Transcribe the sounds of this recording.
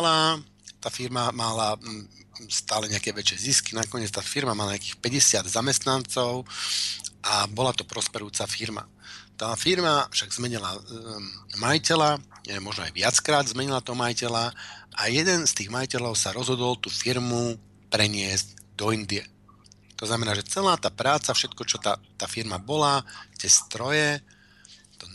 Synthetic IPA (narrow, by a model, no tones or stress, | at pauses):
la | t̪aːfiɾmamala | st̪aːlɛɲɛakɛːʋɛt͡ʃɪɛziskinakɔɲɪɛt͡st̪aːfiɾmamalaɲɛakiːxpɛɟɛsɪad̪zamɛst̪nant͡sɔʊ | ʔabɔlat̪ɔpɾɔspɛɾjuːt͡safiɾma̰ | t̪aːfiɾmafʃaɡzmɛɲila | majicɛlamɔʒnɔa̰jʋɪat͡skɾaːd̪zmɛɲilat̪ɔɦɔmajicɛlaʔajɛd̪ɛnst̪iːɣmajicɛlɔʊsaɾɔzɦɔd̪ɔlt̪uːfiɾmu | pɾɛɲɪɛzɟd̪ɔind̪iɛ | t̪ɔznamɛnaːʒɛt͡sɛlaːt̪aːpɾaːt͡safʃɛt̪kɔt͡ʃɔt̪at̪aːfiɾmabɔlat̪ɪɛst̪ɾɔjɛ | t̪ɔ